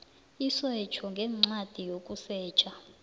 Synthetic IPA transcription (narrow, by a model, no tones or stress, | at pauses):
isɛt͡ʃʰɔŋɡʱɛŋ͡ǀad̥ʱijokʼusɛːt͡ʃʼa